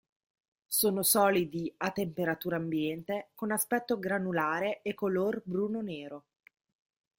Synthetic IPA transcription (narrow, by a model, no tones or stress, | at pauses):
soːnosɔːlid̪iat̪ːempeɾat̪uːɾaːmbjɛnt̪ekonaspɛt̪ːoɡɾanulaːɾeekːolorbɾuːnoneːɾo